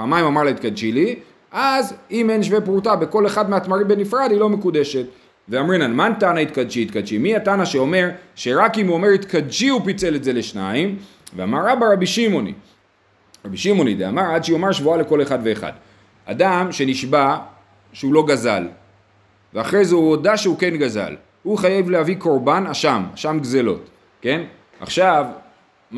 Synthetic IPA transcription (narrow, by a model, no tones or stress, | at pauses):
amaimamaʁlait̪kad̪ʃili | ʔazimenʃvepʁutabe̞ko̞le̞χadmeatmaʁimbe̞nifʁad̪hilo̞me̞kude̞ʃe̞t | veamʁinalmantanait̪̚kad̪ʃiːt̪kad̪ʃimiatanaʃeo̞me̞ʁʃe̞ʁakimuome̞ʁit̪kad̪ʃiupit͡se̞letze̞le̞ʃnaim | vea̰maʁabaʁabiʃimo̞nḭ | ʁabiʃimo̞nidea̰maʁadʃio̞maʁʃvuale̞ko̞le̞χadve̞ːχa̰d | a̰damʃe̞niʃba | ʃeulo̞ɡaza̰l | veaχʁejzeuodaʃeuke̞nɡaza̰l | huχajevlehaviko̞ʁbanaʃama̰ʃamɡze̞lo̞̰t | ke̞n | a̰χʃav